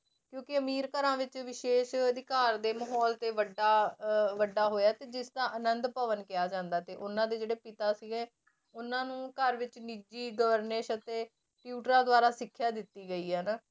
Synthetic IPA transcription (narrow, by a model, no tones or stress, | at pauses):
kjõːkɪəmiːɾkəɾãːʋɪt͡ʃʋɪʃeːʃəd̪ɪkaːɾd̪eːməɦɔːlt̪eːʋəɖaːʋəɖaːɦoːjaːt̪eːd͡ʒɪsd̪ãːʔənənd̪pəʋənkɪjaːd͡ʒãːnd̪aːt̪eːʔʊnãːd̪eːd͡ʒeːɽeːpɪt̪aːsiɡɛː | ʊnãːnũːkəɾʋɪt͡ʃniːd͡ʒiːɡəʋəɾnəʃət̪eː | ʈjuːʈɾãːd̪ʊaːɾaːsɪkʰːjaːd̪ɪt̪ːiːɡəiːɦɛːnaː